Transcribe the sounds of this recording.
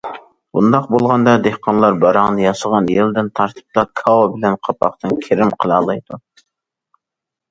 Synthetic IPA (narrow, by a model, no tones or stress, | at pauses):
bṵnd̪ɑq̚bolˠʁɑnd̪ɑd̪ehqʰɑnlˠɑɾbɑɾɑŋnɨjɑʃəʁɑnjeld̪ɪnt̪ʰɑɾt̪ʰɨ̥p̚t̪ɑkʰɑwobɪlɛnqʰɑpʰɑ̰qt̪ɨnkʲʰeɾɪmqʰəlˠɑːlˠɑjd̪u